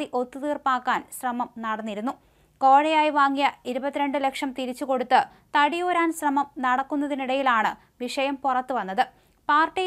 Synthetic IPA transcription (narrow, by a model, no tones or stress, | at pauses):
iʔo̞t̪ːɨt̪iːrpaːkːaːnɕrɐmɐmnɐɽɐnːiɾunːu | ko̞ːɻɐjaːjiʋaːŋːijɐiɾubɐt̪ːiɾe̞ɳɖɨlekʂɐmt̪iɾit͡ɕːuko̞ɽut̪ːɨ | t̪ɐɽijoːɾaːnɕrɐmɐmnɐɽɐkːunːɐðiniɽɐjilaːɳɨ | ʋiʂɐjɐmpurɐt̪ːɨʋɐnːɐðɨ | paːrʈːi